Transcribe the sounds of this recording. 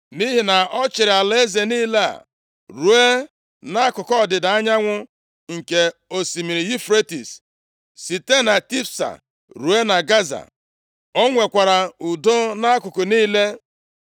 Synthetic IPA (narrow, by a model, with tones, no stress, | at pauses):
ni˦ɦi˨na˨ɔ˦t͡ʃɪ˨ɾɪ˨a˨le˦ze˨niː˦la̰˦˨ | ɾu˨e˦ | na˦a˦kʊ˨kɔ˦˨dɪ˨da˨a˦ɲa˦ŋʷʊ˦ | ŋ̩˨ke˨o˨si˨mi˨ɾi˨ji˦fɾe˦tḭ˨s | si˨te˦na˨ti˦fsa̰˨ | ɾu˨e˦na˨ɡa˦za̰˨ | ɔ˦ŋʷe˨kʷa˨ɾa˨u˨do˦na˦a˦kʊ˨kʊ˨niː˦le˦